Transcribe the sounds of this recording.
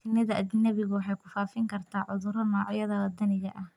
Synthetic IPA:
t̪ʰɪnɐðɐʔɐðɪnːɐβɪɣʊwɑħɑjkʰʊfaːfɪŋkʰɐrt̪ʰaːʕʊðʊɾɐmaːʕjɐðɐlɐd̪ɐnɪɣɐʔɐh

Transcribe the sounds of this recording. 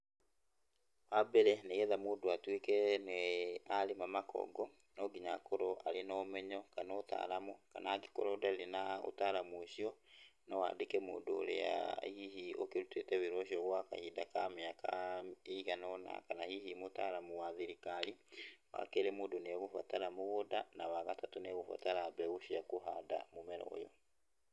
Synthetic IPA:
wabɛɾɛneɣeðamoːdoatwekɛneaɾemamakɔ̰ɡɔ | nɔɡiɲa̰koɾɔʔa̰ɾenɔmɛɲɔkanota̰ːɾamoka̰naɡe̥ko̰ɾɔdalenao̰taɾamuoɕiɔnɔwa̰ːdekɛmo̰ːdoːɾḛa̰hiɦiokeɾutetɛβiɾɔʃiɔɣwaka̰hidakameakaeɣanɔna̰kanahihimotaɾamuwaðiɾikaɾiwa̰keɾemodoneɣofa̰taɾamoɣodanawaɣatatoneɣofa̰taɾabɛɣoʃiakoɦada̰momɛɾɔ̰jɔ

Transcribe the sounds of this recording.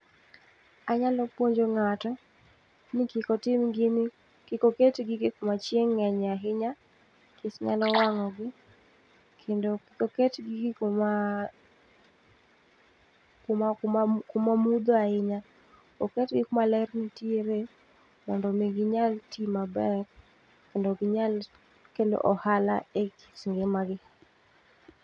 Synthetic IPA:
aɲalɔpwoɲd͡ʒoŋatɔ | nɪkɪkɔtɪmɡɪnɪ | kɪkoketɡɪɡɪkomat͡ʃjeŋːɛɲaɦɪɲa | kesɲa̰lɔwaŋɔɡɪ | kʰendokɪkoketɡɪɡɪkoma | komkakomamud̪oahɪɲa | okɛtɡɪkomalɛrnitieɾe | mɔndɔmeɡɪɲaltimabɛk | kːendoɡɪɲal | kendo̰ʔɔhala̰eki̥sŋɡemaɡɪ

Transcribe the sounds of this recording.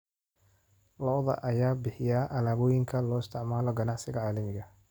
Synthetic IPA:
lɔʔðɐ̰ʔɐjaːbɪħɪjaːʔɐlaːβɔːjɪŋkʰɐlɔːɪst̪ʰɪʕmaːlɔɡɐnɑʕsɪɣɐʕaːlɐmɪɣɐ

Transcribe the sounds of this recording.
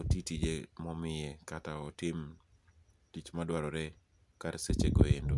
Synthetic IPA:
otitid͡ʒemɔmɪjekataɔtɪm | tit͡ʃmadwaɾɔɾɛ | kaɾset͡ʃeɡo̰jendo

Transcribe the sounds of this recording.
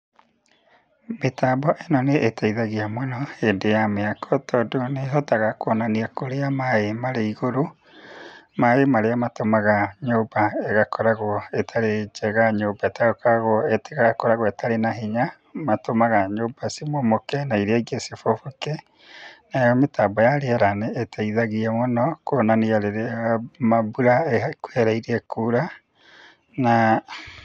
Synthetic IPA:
metaːbɔʔenɔneʔetʰaiðaɣeamwɛnɔeːndejameakɔtɔːdoneɦɔtaɣakwɔnaniakoɾeamaemaɾeiɣoɾo | maemaɾeamatomaɣaɲoːbaɛɣakʰɔɾaɣwɔetʰaɾed͡ʒɛɣaɲoːbaetaɣakɔɾaɣwɔeteɣaɣakoɾaɣɔetʰaɾenaɦeɲa | matomaɣaɲoːbasimomokɛnaiɾɛɡesefofoke | najɔmetaːbɔjaɾeɛɾanɛːtʰaiðaɣiamonɔkonanejaɾeɾemabuɾaekwɛɾaiɾeɛkuɾa | na

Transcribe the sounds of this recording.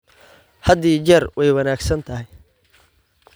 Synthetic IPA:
hɐd̪iːd͡ʒɛrwʔɛjwɑnaːɡsɐnt̪ʰɐɦɪj

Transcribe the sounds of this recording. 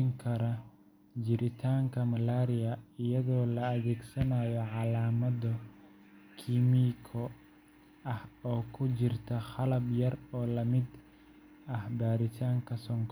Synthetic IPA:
ŋkʰɐɾɐ | d͡ʒɪɾɪt̪ʰaːŋkʰɐmɐlaːɾɪjɐɪjɐðɔːlɐːðɛːɡsɐnaːjɔʕɑlaːmɐdɔ | kʰimikʰɔ | ɐhɔːkʰʊt͡ʃɪrt̪ʰɐχɑlɐbjɐrɔːlɐmɪd̪ | ɐhbaːɾɪt̪ʰaːŋkʰɐsɔŋkʰ

